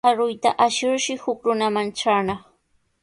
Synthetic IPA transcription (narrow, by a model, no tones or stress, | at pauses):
aɾʊjt̪a̰ʔaʃɪɾʃɪhʊkɾʊnamanʈ͡ʂaːnɑχ